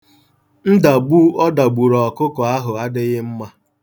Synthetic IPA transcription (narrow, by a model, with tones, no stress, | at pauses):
n̩˦da˨bu˦ɔ˦da˨ɡ͡bu˨ɾɔ˨ɔ˨kʊ˦kɔ˨a˦ɦʊ˨a˦dɪ˦ɣɪ˦m̩˦ma˦